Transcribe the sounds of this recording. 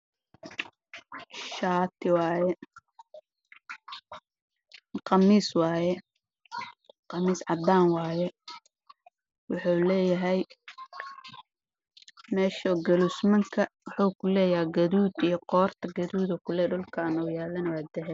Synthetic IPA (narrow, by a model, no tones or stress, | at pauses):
ʃaːt̪ʰɪwɑːjɛ | qɑmiːswɑːjɛ | qɑmiːsʕɑd̪aːnwɑːjɛ | wɑħuːlɛːjɐɦɛj | mɛːʃɔːɡɐlusmɐŋkʰɐwʊħuːkʰʊlɛːjɐɦɛjɡɐðuːd̪ijɔqɔːrt̪ʰɐɡɐðuːðɔkʰʊlɛːɖʊlkʰaːnɔwjaːlɐnɐwaːd̪ɛɦɛ